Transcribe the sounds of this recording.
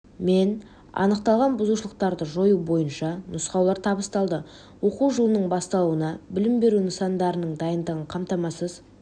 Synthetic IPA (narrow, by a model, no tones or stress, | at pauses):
me̞n | ɑ̰nəq̚t̪ɑlˠʁɑnbʊzuʃəlˠəq̚t̪ɑɾd̪əʒo̞jubo̞jənʃɑnʊsqɑwlˠɑɾt̪ʰɑbəst̪ɑlˠd̪ə | wo̞quwʒəlˠənəɴbɑst̪ɑlˠuwənɑbɪlɪmbe̞ɾunəsɑnd̪ɑɾənəɴd̪ɑjənd̪əʁəɴqʰɑmt̪ɑmɑsəz